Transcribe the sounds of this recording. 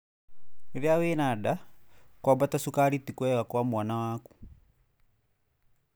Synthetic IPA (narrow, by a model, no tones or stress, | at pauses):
eɾeaweːnaːdakwabatasukaɾitikwɛɣakwamwanawaːku̥